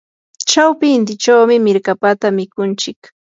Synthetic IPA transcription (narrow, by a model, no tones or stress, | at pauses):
t͡ʃawpɪnt̪ɪt͡ʃawmɪmɪɾkapat̪amɪkʊnt͡ʃɪk